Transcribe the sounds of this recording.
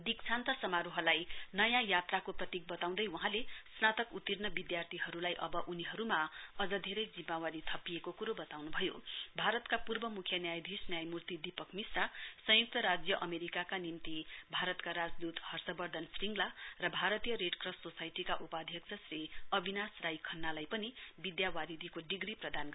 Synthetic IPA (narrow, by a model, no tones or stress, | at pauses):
d̪ikt͡sʰant̪ʌsʌmaɾuɦʌlajnʌjãjat̪rakoprʌt̪ik̚bʌt̪aw̃d̪ʌjwuɦãlesnat̪ʌkut̪irnʌbid̪jart̪ʰiɦʌɾulajʔʌbʌʔuniɦʌɾumaʌd͡zʌd̪ʱeɾʌjd͡zimːawaɾit̪ʰʌpiekokuɾobʌt̪awnubʱʌjo̰bʱaɾʌt̪kapurbʌmukʰjʌnjajd̪ʱisnjajmurt̪id̪ipʌkmisrasʌ̃juk̚t̪ʌɾad͡zjʌʔʌmeɾikakanimt̪ibʱaɾʌt̪kaɾad͡zd̪ut̪hʌrsʌbʌrd̪ʱʌnsriŋɡlarʌbʱaɾʌt̪ijʌɾeɖkrʌsʈsosajʈikaʔupad̪ʱjʌkt͡sʰʌsriʌbʱinasrajkʰʌnːalajpʌnibid̪jawaɾid̪ʱikoɖiɡɾiprʌd̪anɡ